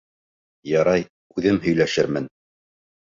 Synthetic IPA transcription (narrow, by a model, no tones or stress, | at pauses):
jɑɾɑj | ʉðɘmɦɵ̆jlæʃɘɾmɘn